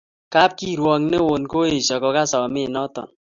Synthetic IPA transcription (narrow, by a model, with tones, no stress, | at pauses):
ka˦p̚ki˦ɾwɔ˧ŋne˦wo˨nko˦e˨sʌ˨kɔ˧ka˦sɔ˨me˦nɔ˦t̪ɔ̰˨n